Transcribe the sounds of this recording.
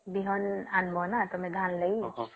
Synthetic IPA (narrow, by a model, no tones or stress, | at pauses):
biɦɔnanbʱɔnat̪omɛ̃ɡʱanləi